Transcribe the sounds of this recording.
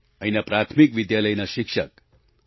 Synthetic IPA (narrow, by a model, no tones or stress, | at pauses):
əjnapɾat̪ʰmikʋid̪jaləjnaʃikʂək̚